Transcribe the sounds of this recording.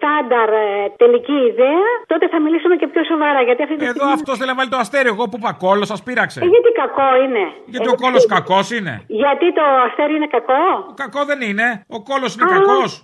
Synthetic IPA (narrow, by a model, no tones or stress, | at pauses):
st̪ɐnd̪ɐɾt̪eliciːðeɐt̪o̞t̪e̞θɐmilisumecepço̞so̞vɐɾɐʝɐt̪iɐft̪ieðoɐftt̪osθelenɐvalit̪oɐst̪eɾieɣopupɐko̞losɐspiɾɐkseʝɐt̪ikɐko̞ine̞ | jʝɐt̪ioko̞loskɐko̞sine̞̰ʝɐt̪it̪o̞ɐst̪eɾiine̞kɐko̞kɐko̞ðe̞nine̞o̞ko̞losinekɐkos